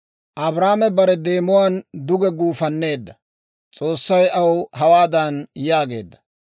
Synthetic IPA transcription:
ʔɐbɾaːmɛbɐɾɛd̪e̞ːmʊwaːnd̪ʊɡɛɡuːfɐnːe̞ːd̪ːɐ | t͡sʼo̞ːsːɐjɐwɦɐwaːd̪ɐnjaːɡe̞̰ːd̪ːɐ̥

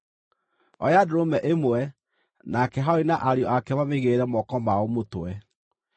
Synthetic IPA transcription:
ɔjadoɾomɛʔemwɛ | nakɛɦainaʔaɾjɔʔakɛmameɣeɾɛmɔkɔmaomotwɛ

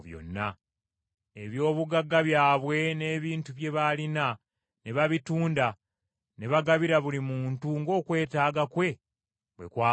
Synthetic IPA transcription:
jo̰nːa | e̞βjo̞ːβuɡaɡːaβjaːβwe̞ne̞ːβiːntuβje̞βalina | ne̞βaβituːnda | ne̞βaɡaβiɾaβulimuːntuŋɡo̞ːkwe̞ːtaːɡakwe̞ | βwekwaː

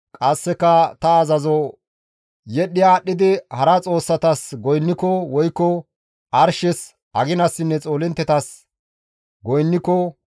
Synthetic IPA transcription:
kʼɐsːɛkːɐt̪ɐːzɐzɔ | jɛɗːɪjaːɗːɪd̪ɪhɐɾɐt͡sʼo̞ːsːɐt̪ɐsɡɔjnːɪkɔwɔjkːɔ | ʔɐɾʃɛs | ʔɐɡɪnɐsːɪnːɛt͡sʼo̞ːlɛnt̪ːɛt̪ɐs | ɡɔjnːɪkɔ

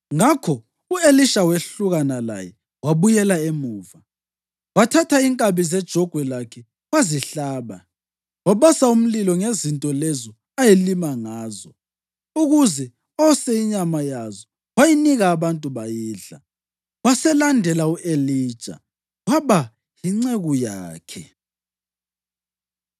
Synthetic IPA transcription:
ŋakʰɔ | ueliʃaweɬuɣanala̰jɛ | waβujɛlaemuːva | watʰatʰaiŋkʼaβizɛd̥ʒ̥ʱɔɡ̥ʱwɛlakʰɛ | waziɬaːβa̰ | waβasaum̩lilɔŋezintʼɔlezɔ | ajelimaŋaːzɔ | uɣuzɛ | ɔseiɲamajazɔ | wajiniɣaːβantʼuβajiːɮa̰ | wasɛlandʱɛlauʔeliːd̥ʒ̥ʱa̰ | waβa | jiŋ͡ǀeɣujaːkʰɛ

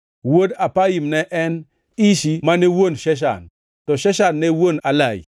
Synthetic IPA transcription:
wodapajimnɛʔɛn | iʃimanewonʃɛʃ̬a̰n | tɔʃɛʃanːɛewonalaḭ

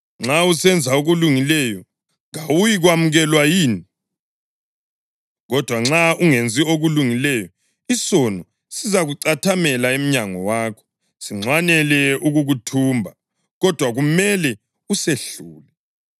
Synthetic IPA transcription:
ŋ͡ǁausɛnd͡zʱauɣuluŋilɛjɔ | ŋawujiɣwamuɣɛlwajiːni | ɣɔd̥ʱwaŋ͡ǁauŋend͡zʱioɣuluŋilɛjɔ | isɔnɔ | sizaɣuǀatʰamɛlaem̩ɲaŋɔwaːkʰɔ̥ | siŋ͡ǀʱwanɛlɛuɣuɣutʰuːmbʱa | ɣɔd̥ʱwaɣumɛlɛ | useɬuːlɛ

